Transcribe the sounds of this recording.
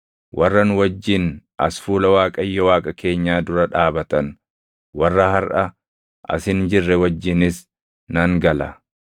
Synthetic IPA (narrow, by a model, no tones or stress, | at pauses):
wʔɐrːɐnʊwɐd͡ʒːɪnʔɐ̰sfuːlɐwaːkʼɐjːɔwaːkʼɐkʰe̞ːɲːaːd̪ʊɾɐᶑaːbɐt̪ɐn | wɐrːɐhɐɾʔɐ | ʔɐ̰sɪnd͡ʒɪrːɛwɐd͡ʒːɪnɪs | nɐŋɡɐlɐ